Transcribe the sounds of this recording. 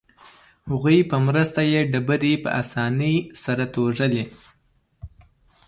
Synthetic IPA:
haɣujpəmɾəst̪ajeɖabəɾipə̰ʔasɑnəjsaɾat̪oʐəle

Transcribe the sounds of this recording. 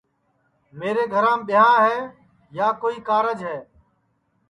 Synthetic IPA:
meːɾeːɡʱəɾãːmɓɪjãːɦɛː | jaːkoːiːkaːɾəd͡ʒɦɛː

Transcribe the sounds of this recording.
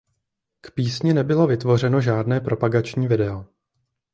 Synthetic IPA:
kpiːsɲɪnɛbɪlo̞vɪt̪vo̞r̝ɛno̞ʒaːdnɛːpɾʔo̞paɡat͡ʃɲiːvɪdɛo

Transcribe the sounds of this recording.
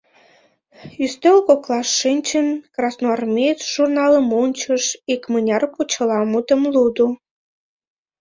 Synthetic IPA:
yst̪ølkoklˠɑsːɨnʲt͡ɕənkrɑsnoɑrmʲet͡sʒ̥urnɑləmunʲt͡ɕəʃikmɨnʲɑrput͡ɕə̆lɑmud̪əmlud̪u

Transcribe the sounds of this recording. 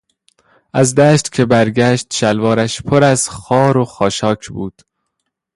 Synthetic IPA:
ʔæzd̪æːʃt̪cʰe̞bæɾɟæːʃt̪ʃælvɒːɾæʃpʰoɾæzxɒːɾoxɒːʃɒːcʰbuːd̪̥

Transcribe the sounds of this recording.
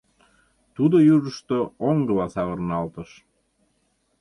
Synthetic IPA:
t̪ud̪ojuʒəʃt̪ooŋɡəlɑsɑβərnɑlt̪əʃ

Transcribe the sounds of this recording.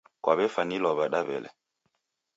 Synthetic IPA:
kwaβɛfanilɔβaɗaβɛ̰lɛ̰

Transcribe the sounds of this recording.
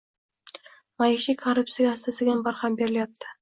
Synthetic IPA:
majɪʃikʰorʊp̪̚sijaɡʲaːst̪asɪɡʲanbaɾhambe̞ɾɪljap̚t̪ʰɪ̥

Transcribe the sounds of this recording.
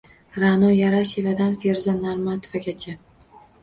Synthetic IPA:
ɾanojaɾaʃevad̪anfeɾzɔnːaɾmat̪ʰovaɡʲat͡ʃʰa

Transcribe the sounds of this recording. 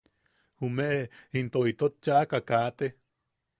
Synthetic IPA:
humeʔint̪oit̪ot̚t͡ʃaʔakakaːt̪e

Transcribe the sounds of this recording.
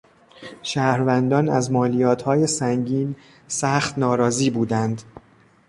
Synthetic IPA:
ʃæːhɾvænd̪ɒːnæzmɒːlijɒːt̪ʰhɒːjesæŋɟiːn | sæxt̪nɒːɾɒːziːbuːd̪ænd̪

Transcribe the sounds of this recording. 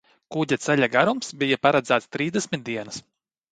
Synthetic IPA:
kuɟʲat̪sɛlʲaɡaɾumsbijapaɾad̪zæːt̪st̪ɾiːzd̪esʲmʲit̪̚d̪iɛnɨs

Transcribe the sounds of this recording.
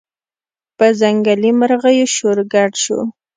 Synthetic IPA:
pəzaŋɡalimaɾɣajoʃoɾɡaʈʃo̰

